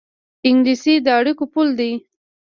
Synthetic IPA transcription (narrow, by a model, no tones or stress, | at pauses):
ɪŋɡlisid̪əaɽikopuld̪i